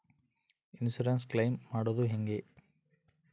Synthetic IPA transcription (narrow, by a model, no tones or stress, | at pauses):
ɪnsuɾaːnsklɐɪmːaːɽoðuɦɛŋɡe